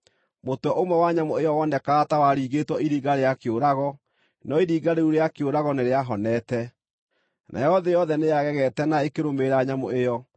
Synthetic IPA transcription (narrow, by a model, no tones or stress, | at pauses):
motwɛʔomɛwaɲamoejɔwɔndɛkaːtawaɾiːɣetwɔʔiɾiːɣaɾejakeoɾaɣɔ | nɔiɾiːɡaɾeuɾeakeoɾaɣɔneɾeaɦɔnɛtɛ | nʔa̰jɔðɛjɔðɛnejaɣɛɣɛtɛnaekeɾomeɾaɲamo̰ejɔ